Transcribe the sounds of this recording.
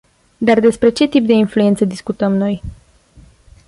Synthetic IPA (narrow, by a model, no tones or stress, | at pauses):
d̪ard̪e̞spɾe̞t͡ʃe̞t̪ip̚d̪e̞influent̪səd̪iskut̪əmno̞j